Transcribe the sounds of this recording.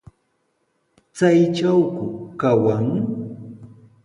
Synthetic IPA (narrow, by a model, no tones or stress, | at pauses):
t͡sajt͡ʃawkʊkawaŋ